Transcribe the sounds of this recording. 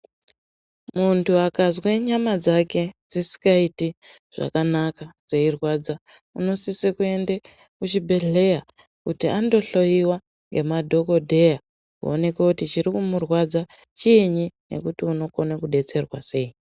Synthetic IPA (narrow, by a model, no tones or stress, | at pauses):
muntʰuakazweɲamad͡zake̞d͡zisi̥kaitiʐ̥a̰kanakad͡ze̞irwad͡za | uno̞sisikue̞nde | kut͡ʃibʱe̞ɮe̞ja | kutiando̞ɬo̞jiwa | ŋɡe̞madʱo̞ko̞dʱe̞ja | kṵone̞kakutit͡ʃiɾikumurwad͡za | t͡ʃiːɲine̞̰kutiuno̞konakuɗe̞t͡se̞rwa̰se̞ːi